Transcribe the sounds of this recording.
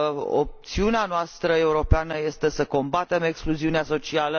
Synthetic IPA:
o̰p̚t̪siuneanoast̪ɾəe̞uɾo̞peanəje̞st̪e̞səko̞mbat̪e̞me̞kskluziuneaso̞t͡ʃialə

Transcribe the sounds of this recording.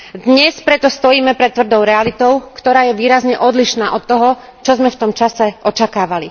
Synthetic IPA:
d̪ɲɛspɾɛt̪ɔst̪ɔjiːmɛpɾɛt̪ːʋr̩d̪ɔʊɾɛalit̪ɔʊkt̪ɔɾaːjɛʋiːɾazɲɛʔɔd̪liʃnaːʔɔt̪ːɔɦɔ | t͡ʃɔzmɛft̪ɔmt͡ʃasɛʔɔt͡ʃakaːʋali

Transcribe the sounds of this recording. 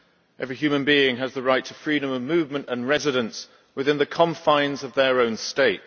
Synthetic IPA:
ʔɛvɹiɦjʉːmə̃nbiːɪ̃ŋəzðəɹaɪtʰəfɹiːɾə̃məvmʉːvmə̃ntə̃nɹɛzɪɾə̃ns | wɪðɪ̃nðəkʰɒ̃ɱfãɪ̃nzəvðəɹõʊ̃nsteɪt̚

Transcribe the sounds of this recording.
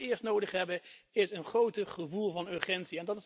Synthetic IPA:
ɪːɹstnowdəχɦɛbəɪsənχrowtəχəvulˠvɑnøɹχɛntsiɛndɑtɪs

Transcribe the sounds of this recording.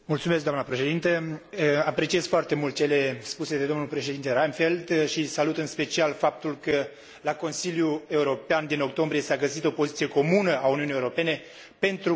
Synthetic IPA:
mult̪sumeskd̪amnəpɾe̞ʃed̪int̪əapɾe̞t͡ʃie̞z̥foart̪e̞mult̪̚t͡ʃe̞le̞spuse̞d̪e̞d̪o̞mnulpɾe̞ʃ̬ed̪int̪eɾajmfe̞ld̪ʃisalut̪ɨnspe̞t͡ʃialfap̚t̪ulkə | lako̞nsiljue̞uɾo̞peand̪ino̞k̚t̪o̞mbɾije̞saɡəsit̪o̞po̞zit̪sijeko̞munəauniunije̞uɾo̞pe̞ne̞ | pe̞nt̪ɾu

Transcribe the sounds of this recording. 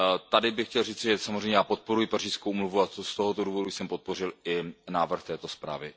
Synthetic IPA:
t̪adɪbɪxcɛlriːt͡sɪʒɛsamozrɛjɲɛjaːpo̞t̪̚po̞ɾujɪpariːskowmluvuast̪o̞ɦot̪oduːvo̞dujsɛmpo̞t̪̚po̞rɪlɪnaːvr̩xt̪ɛːt̪o̞spɾa̰ːvɪ

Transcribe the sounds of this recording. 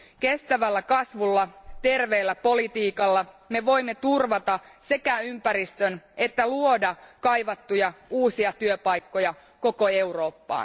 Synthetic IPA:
ke̞st̪æʋælːækɑsʋulːɑt̪e̞rʋeːlːæpo̞lit̪iːkɑlːɑ | me̞ʋo̞imːet̪urʋɑt̪ɑse̞kæympæɾist̪øne̞t̪ːæluodɑkɑjʋɑt̪ːujɑuːsiɑt̪yøpɑjkːo̞jɑ | ko̞ko̞e̞uro̞ːpːɑ̰ː

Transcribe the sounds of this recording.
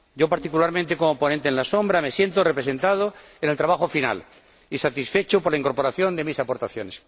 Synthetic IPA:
ɟ͡ʝo̞paɾt̪ikulaɾmẽnt̪e̞ko̞mopo̞nẽnt̪eːnlaso̞mbɾame̞sje̞nt̪orepɾesẽ̞nt̪að̞oenelt̪ɾaβaxofina̰l | isat̪isfe̞t͡ʃopoɾlaiŋko̞ɾpo̞ɾaθjo̞nd̪e̞misapo̞ɾt̪aθjone̞s

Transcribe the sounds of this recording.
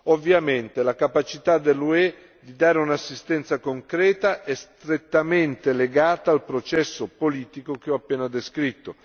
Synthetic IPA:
ovːjament̪elakapat͡ʃit̪ad̪elːue | d̪id̪aːɾeunasːist̪ɛnt̪sakoŋkɾɛːt̪aʔɛst̪ɾet̪ːament̪eleɡaːt̪aːlpɾot͡ʃɛsːopoliːt̪ikok̟eɔapːɛːnad̪eskɾit̪ːo

